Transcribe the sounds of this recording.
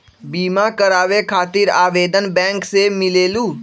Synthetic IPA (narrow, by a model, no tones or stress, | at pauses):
biːmakəɾaːʋekʰaːt̪iːɾaːʋeːd̪ənbɛ̃ːŋksemɪleːluː